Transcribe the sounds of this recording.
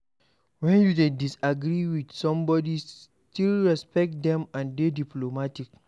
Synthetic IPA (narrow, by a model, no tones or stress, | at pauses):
wɛ̃njudedisaɡɹiwidsɔ̃mbɔdis | tilɹɛspɛk̚t̚d̪ɛ̃mãndediplomatik